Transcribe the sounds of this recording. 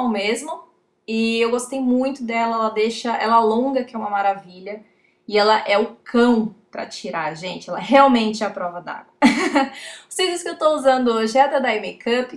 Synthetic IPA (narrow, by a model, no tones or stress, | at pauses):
wmezmʊ | ɪewɡost̪ejmũj̃t̪ʊd̪ɛlɐɛlɐd̪ejʃɐʔɛ̰lɐalõŋɡɐkɪɛũmɐmaɾaviʎɐ | ɪɛlɐʔɛʊkʰɐ̃w̃pɾɐ̰t͡ʃiɾaɾʒẽnt͡ʃɪɛlɐɛɦeawmẽnt͡ʃɪɛɐpɾɔvɐd̪a̰ɡwɐ | ʊsid͡ʒ̪ʊskɪewt̪ouzɐ̃nd̪ʊoʒɪɛd̪ɐd̪aemekɐp